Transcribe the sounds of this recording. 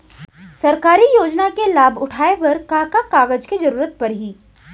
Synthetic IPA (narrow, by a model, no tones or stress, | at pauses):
sɐɾkaːɾijoːd͡ʒnakelaːbʱʊʈʰaːeʋɐɾkaːkakaːɡəd͡ʒked͡ʒɐɾuːɾət̪̚pɐɾɦiː